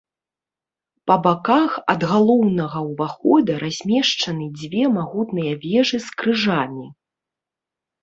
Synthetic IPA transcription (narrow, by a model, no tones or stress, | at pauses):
pɐbakaxɐd̪ɣalˠɔwnɐɣɐwvaxɔd̪ɐɾazʲmʲɛʂt͡ʂɐnɨd͡zʲvʲɛmaɣut̪nɨjɐvʲɛʐɨskɾɨʐamʲi